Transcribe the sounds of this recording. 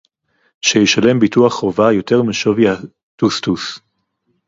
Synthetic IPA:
ʃejiʃale̞mbituaχʁovajo̞te̞ʁmeʃovja | tustus

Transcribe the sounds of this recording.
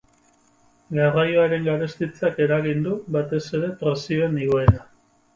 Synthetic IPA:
ɡarajoaɾe̞ŋɡaɾe̞st̪it͡sake̞ɾaɣind̪uβat̪e̞se̞ɾe̞pɾe̞sio̞eniɣ̞oeɾa

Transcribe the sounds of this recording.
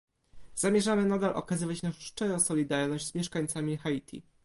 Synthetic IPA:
z̥amʲjɛʐamɘnad̪alʔɔ̰kazɘvat͡ɕnaʂʂt͡ʂɛjɔ̃w̃sɔlʲid̪aɾnɔʑd͡ʑʲz̥mʲɛʂkaɲt̪samʲixait̪ʰʲḭ

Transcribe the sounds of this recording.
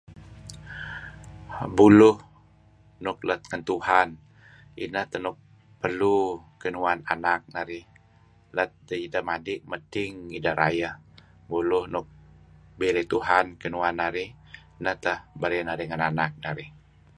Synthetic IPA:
bulʊh | nʊk̚lət̪̚ŋənt̪uhan | ḭnəht̪əhnʊk̚ | pərlukənuananak̚naɾɪh | lət̪̚dəidəmadɪʔ̚mətɪŋidəɾʔa̰jəh | bulʊhnʊk̚biɾit̪uɦankənuanːaɾɪh | inəht̪əhbəɾinaɾiŋananak̚naɾɪh

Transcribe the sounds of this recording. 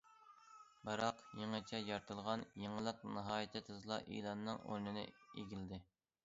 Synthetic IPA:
bɨɾɑqjeŋət͡ʃʰɛjɑɾt̪ʰɨlˠʁɑnjeŋəlˠəqnɨɦɑːjɪt̪ʰɨt̪ʰɨzlˠɑ̰ʔḭlˠɑnːɨŋo̰ɾnɪnɪ̰ḛɡʲilɪd̪ɪ

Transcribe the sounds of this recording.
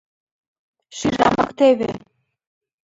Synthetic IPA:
ʃiʒɑmɑkt̪eβe

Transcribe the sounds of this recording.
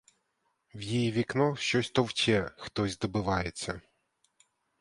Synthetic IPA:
wjijiʋʲiknɔʃt͡ʃɔsʲt̪ɔwt͡ʃʲɛxt̪ɔzʲd̪ɔbɪʋɑjet͡sʲːɐ

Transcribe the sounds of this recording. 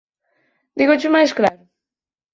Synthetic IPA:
d̪iɣʊt͡ʃʊmajsklaɾʊ

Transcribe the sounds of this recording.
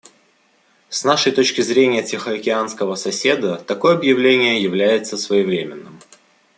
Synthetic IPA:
snaʂəjt̪o̞t͡ɕkʲɪzɾʲenʲɪjətʲɪxəɐkʲɪanskəvəsɐsʲe̞d̪ət̪ɐko̞jɐbjɪvlʲenʲɪjəjɪvlʲæjɪt̪səsvəjɪvɾʲemʲɪnːɨm

